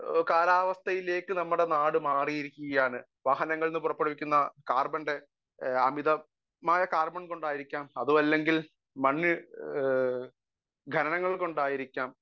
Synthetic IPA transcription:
kaːlaːʋɐst̪ʰɐjile̞ːkːɨnɐmːuɽenaːɽɨmaːrijiɾikʲːuɣɐjaːɳɨ | ʋaːɦɐnɐŋːɐɭnɨpurɐpːeɽɐʋikʲːunːɐkaːrbɐnɖe̞ | ɐmiðɐ | maːjɐkaːrbɐɳko̞ɳɖaːjiɾikʲːaːmɐðuʋɐlːe̞ŋɡil | mɐɳːɨ | ɡʱɐnɐnɐŋːɐɭko̞ɳɖaːjiɾikʲːaːm

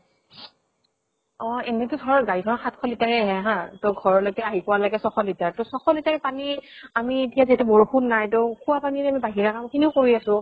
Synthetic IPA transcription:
ɔenɛtʊdʰʱɔɹɔɡaɹikʰɔnɔxatkʰɔlitaɹɛaɦɛɦãtoɡʱɔɹɔlojkɛaɦipɔwaloɡɛsɔxɔlitaɹtʊsɔxɔlitaɹpaniamietijazetɛbɔɹuxʰunːajtʊkʰʊwapaniamibaɦiɹakamkʰiniʊkoɹiasʊ̃

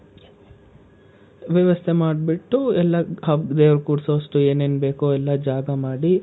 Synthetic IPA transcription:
ʋjɛʋɐst̪ʰemaːɖbiʈːuɛlːɐɐʋd̪eːʋɐɾkuːɾsɐɐsʈueːneːnbe̞ːkoɛlːɐd͡ʒaːɡɐmaːɽi

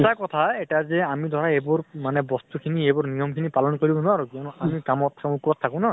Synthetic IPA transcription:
takɔt̪ʰaɛtazɛamid̪ʱɔɾaebʊɹmanɛbɔst̪ukʰiniebʊɹnijɔmkʰinipalɔnkoɹibɔnɔaɾukiɔnɔamikamɔt̪ʰːakũkuɔt̪ʰːakʊ̃na

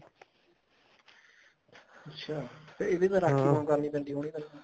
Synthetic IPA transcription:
ətːʃʰaːt̪eɪd̪eːt̪ãːɾaːiːmãkəɾniːpɛ̃ːnd̪iːɦoːɽ̃iːpɛ̃nd̪i

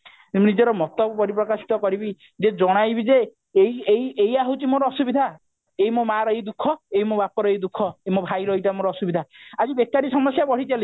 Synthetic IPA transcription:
nid͡ʒɔɾɔmɔt̪ɔpɔɾipɾɔkasi̥t̪ɔkɔɾibi | d͡ʒed͡ʒɔɽ̃ajbid͡ʒe | ejejejaɦot͡ʃimoɾɔɔsubid̪ʱa | ejmomaɾɔid̪ukʰːɔejmobapɔɾɔid̪ukʰːɔemobʱajɾɔiʈamoɾɔːsubid̪ʱaad͡ʒibekːaɾisɔmɔsjabɔɽ̤it̪ali

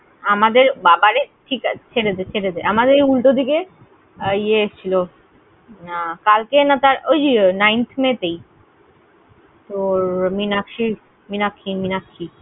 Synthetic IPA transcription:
amad̪eɾbabaɾeʈʰikt͡ɕʰeɾed̪et͡ɕʰeɾed̪eʔamad̪eɾejulʈod̪ike | ieeʃt͡ɕʰilo | kalkenat̪aɾojd͡ʑinajnt̪ʰmet̪ej | t̪oɾminakʃi | minakʰːiminakʰːi

